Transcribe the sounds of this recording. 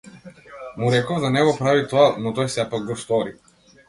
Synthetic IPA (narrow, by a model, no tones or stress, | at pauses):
muɾɛkɔvd̪anɛɡɔpɾavit̪ɔanɔt̪ɔjsɛpaɡ̚ɡɔst̪ɔɾi